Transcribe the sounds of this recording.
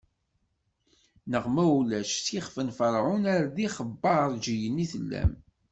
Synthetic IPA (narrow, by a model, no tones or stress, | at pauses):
nəʁmæwlæʃsiχfənfəɾˤʕʊnæɾðiχəbːɑəɾˤd͡ʒijənːiθəlːæ̰m